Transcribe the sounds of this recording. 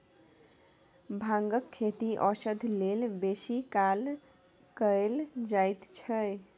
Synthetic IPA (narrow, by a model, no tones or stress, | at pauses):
bʱãŋɡəkʰːet̪iʔɔsəd̪ʱlelbesikal | kəeld͡ʒajt̪t͡ʃʰəj